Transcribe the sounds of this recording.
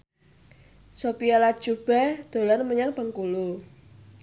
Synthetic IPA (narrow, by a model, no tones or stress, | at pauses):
sopialḁʒ̥ub̥ɛd̪̥o̤lanməɲaŋpəŋkulu